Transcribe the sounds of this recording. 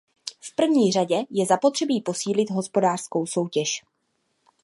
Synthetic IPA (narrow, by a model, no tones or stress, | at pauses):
fpr̩vɲiːr̝aɟɛjɛzapot̪r̥ɛbiːpo̞siːlɪd̪ɦo̞spo̞daːr̥sko̞wso̞wcɛʃ